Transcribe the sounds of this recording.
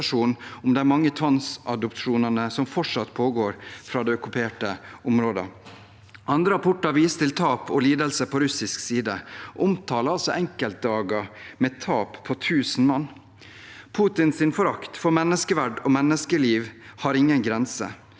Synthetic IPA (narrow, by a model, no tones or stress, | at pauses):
ʂuːnʊmd̪ɛæɾmɑŋːət̪ʰʋɑnsɑd̪ɔp̪ʂuːnənəsɔmfɔʈʂɑt̪ːpʰoːɡoːɾfɾɑːd̪ɛɔkʉpʰeːʈəʊmɾoːd̪ə̰ | ʔɑnd̪ɾəɑpʰʊʈːɑʋiːst̪ɪlt̪ʰɑːpʰɔliːd̪əlsəpʰɔɾʉsɪsksiːd̪əʔʊmt̪ʰɑːləɾɑlsɔʔɛŋkəlt̪̚d̪ɑːɡəmɛt̪ʰɑːppʰɔt̪ʰʉːsn̩mɑnː | pʰuːt̪ɪnsɪnfɔɾɑkt̪fɔɾmɛnːəskəʋæɖɔmɛnːəskəliːʋhɑɾɪŋːənɡɾɛnsə̰